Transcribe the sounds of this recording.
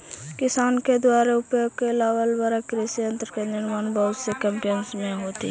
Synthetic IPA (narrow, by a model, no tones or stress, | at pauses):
kɪsaːnked̪waːɾeʊpjoɡ̚kelaːwəlbəɾakɾisijə̃nt̪ɾkenɪɾmaːnbəɦʊt̪sekɛ̃mpijənsmẽɦoːt̪ḭ